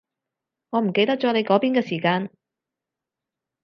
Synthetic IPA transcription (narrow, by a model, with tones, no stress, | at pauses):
ŋɔː˨˧m̩˨˩ke˧jt̪ɐ˥k̚t͡sɔː˨˥ne˨˧jkɔː˨˥piː˥nkɛː˧siː˨˩kaː˧n